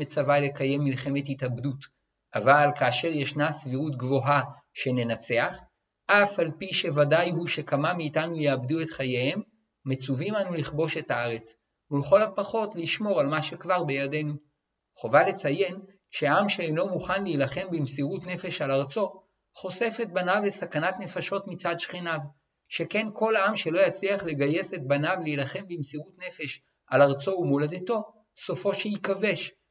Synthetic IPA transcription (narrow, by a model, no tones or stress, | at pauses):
et͡savale̞kaje̞mːilχe̞me̞thitabdut | ʔavalkaːʃe̞ʁjeʃnasviʁutɡvo̞ɦa | ʃe̞ne̞nat͡se̞aχ | ʔafalpiʃe̞vadajhuʃe̞kamamiːtanujeabduetχajehemː | et͡suvimanuliχbo̞ʃe̞taaʁe̞t͡s | uleχo̞lapaχo̞tliʃmo̞ʁalmaʃe̞kvaʁbejade̞nu | χo̞vale̞t͡saje̞n | ʃeaamʃeejno̞muχanleilaχe̞mbimsiʁutne̞fe̞ʃalaʁt͡so̞ | χo̞se̞fe̞t̚banavle̞sakanatne̞faʃo̞tmit͡sadʃχinav | ʃe̞ke̞nko̞lamʃe̞lo̞jat͡sliaχle̞ɡaje̞se̞t̚banavleilaχe̞mbimsiʁutne̞fe̞ʃ | alaʁt͡so̞umolad̪eto̞ | so̞fo̞ʃejikave̞ʃ